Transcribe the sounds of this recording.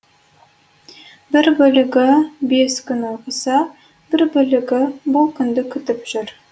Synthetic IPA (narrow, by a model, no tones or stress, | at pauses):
bɪɾbɵlɪɡʲɪbe̞skʲʰʏnoqəsɑ | b̥ɪɾbʏlɪɡʲɪbʊlˠkʲʰʏnd̪ɪkʲʰʏt̪ɪpʒ̥ʏɾ